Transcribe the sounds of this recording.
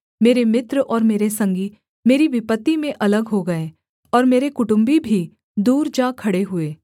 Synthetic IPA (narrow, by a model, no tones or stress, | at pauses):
meːɾemɪt̪ɾʔɔːɾmeːɾesɐ̃ŋɡi | meːɾiʋɪpət̪ːimẽʔɐləɡɦoɡɐeː | ɔːɾmeːɾekʊʈʊ̃mbibʱi | d̪uːɾd͡ʒaːkʰɐɽeɦʊeː